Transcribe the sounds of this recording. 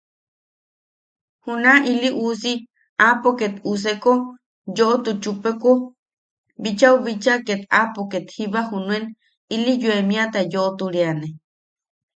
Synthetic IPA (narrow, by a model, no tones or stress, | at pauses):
hunaʔiliʔuːsi | apoket̪us̬eko | joʔot̪ut͡ʃupekʷo | bit͡ʃauβit͡ʃaket̪apoket̪hiβahunũen | ilijuemĩat̪ajoʔot̪uɾiane